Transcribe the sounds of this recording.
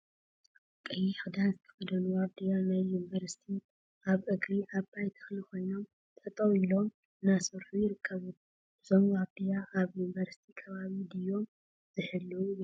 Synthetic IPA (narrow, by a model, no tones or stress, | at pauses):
kʼɨjixɨd̪azɨt̪ʰɐ̥xɐd̪ɐnuwaβ̚d̪ijanajːunivɐɾsi̥t̪ʰi | aβʔɨɡɾiʔaβbajt̪ʰɐ̥xlikʰo̞jno̞m | t̪ʰʼɐt̪ʼɐwilo̞m | ɨnasɨɾħujɪɾɨkʰːɐβu | ʔɨzo̞mwabd̪ijaʔaβjunivɐɾsi̥t̪ʰikʰɐβaβid̪ijo̞m | z̥ɨħɨlːul